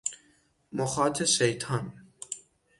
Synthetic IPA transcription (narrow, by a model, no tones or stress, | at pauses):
moxɑːt̪ʰeʃejt̪ʰɑːn